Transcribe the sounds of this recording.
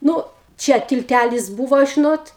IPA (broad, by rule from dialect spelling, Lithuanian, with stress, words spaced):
ˈnʊ ˈt͡ʃʲɛ tʲɪlʲˈtʲælʲɪs ˈbuːʋoː ʒʲɪˈnoːt